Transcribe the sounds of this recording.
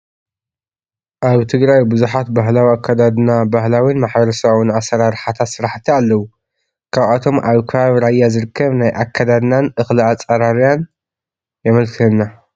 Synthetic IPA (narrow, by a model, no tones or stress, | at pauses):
ʔaβt̪ʰɨɡɾajbɨzuħat̪baɦlawiakʰːad̪ad̪nabahlawinmaħbɐɾɐsawɨnasːɐɾaɾħat̪ʰat̪sɨɾaħt̪ʰialːɐwu | kʰaβat̪ʰo̞mʔaβkʰɨβaβɾajːazɨɾɨkʰːɐβnajʔakʰːad̪ad̪nanʔɨxlɨat͡sʼɐɾaɾijan | jɛmɐlkʰɨlɨnːa